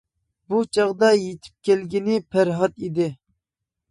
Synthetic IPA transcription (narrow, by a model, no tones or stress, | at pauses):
but͡ʃʰɑʁd̪ɑjet̪ʰɪ̥p̚kʲɛlɡʲinɪpʰæɾɦɑt̪id̪ɪ